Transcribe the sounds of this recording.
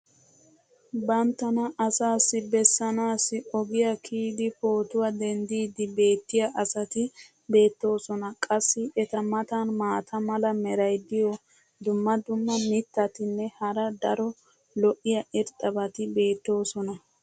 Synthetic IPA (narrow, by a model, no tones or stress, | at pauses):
bɐnt̪ːɐnɐʔɐsaːsːɪbɛsːɐnaːsːɪɔɡɪjɐkʰiːd̪ɪpo̞ːt̪ʊwɐd̪ɛnd̪iːd̪ɪbe̞ːt̪ːɪjɐʔɐsɐt̪ɪ | be̞ːt̪ːo̞ːsɔnɐkʼɐsːɪʔɛt̪ɐmɐt̪ɐnmaːt̪ʰɐmɐlɐmɛɾɐjd̪ɪjɔ | d̪ʊmːɐd̪ʊmːɐmɪt̪ːɐt̪ɪnːɛhɐɾɐd̪ɐɾɔ | lɔʔɪjɐʔɛɾt̪ʼɐbɐt̪ɪbe̞ːt̪ːo̞ːsɔnɐ